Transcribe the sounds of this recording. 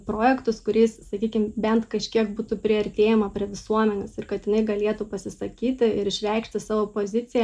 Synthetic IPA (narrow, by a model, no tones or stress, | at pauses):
pɾoːjɛkt̪ʊskʊɾʲiːssɐkʲiːkʲɪmbʲɛnt̪kɐʃʲkʲiɛkbuːt̪upʲɾʲɪɐɾʲt̪ʲeːjɛmɐpʲɾʲiɛʋʲɪsuɔmʲɛnʲoːsɪrkɐt̪jɪnɐɪɡɐlʲiɛt̪upɐsʲɪsɐkʲiːt̪ʲɪɪɾɪʃʲʋʲɛɪkʃʲt̪ʲɪsɑːʋoːpoːzʲɪt̪sʲɪjɛ